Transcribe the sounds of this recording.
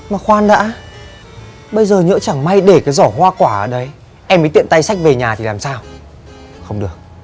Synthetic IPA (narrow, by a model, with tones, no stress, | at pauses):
maː˨˩xwaː˧nɗa̰ː˧˥ | ɓə˧jzəː˨˩ɲə̰ː˧˥t͡ɕa˧˩ŋma˧jɗe˧˩kaː˨˦jzɔ˧˩ɦwaː˧kwaː˧˩ʔəː˧˩ɗə˨˧˦j | ʔɛ˧məː˨˦t̪ḭ˧˨ə˨nt̪a˧jsa˦˥k̚ve˨˩ɲaː˨˩t̪ʰi˨˩laː˨˩msaː˧w | xə˧wŋ͡mɗɨ˨˩ək̚